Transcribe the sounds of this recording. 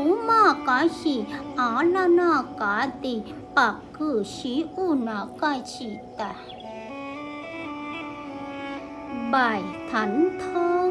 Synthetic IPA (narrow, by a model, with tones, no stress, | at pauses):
u˨˦ma˥˧˨ka˨˦ɕi˧˩ʔa˨˦la˧na˧˨ka˨˦t̪i˧˨ | pa˨kː | ɯ˧˩ɕi˨˦ʔu˧˨na˨˦ka˧˨jt͡ɕʰi˧˨t̪a˨ | ba˧˩jt̪ʰa˨˦nt̪ʰɔ˦